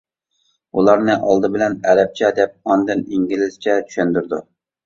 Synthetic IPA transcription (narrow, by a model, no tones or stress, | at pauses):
ulˠɑɾnɨʔɑlˠd̪ɨbɪlɛnɛɾɛp̚t͡ʃʰɛd̪ɛp̚ɑnd̪ɨniŋɡʲilɪst͡ʃʰɛt͡ʃʰy̥ʃɛnd̪yɾd̪u